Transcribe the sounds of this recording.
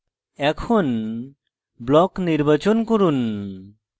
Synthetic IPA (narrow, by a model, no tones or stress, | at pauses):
ɛkʰɔn | blɔkniɾbat͡ʃɔnkɔɾun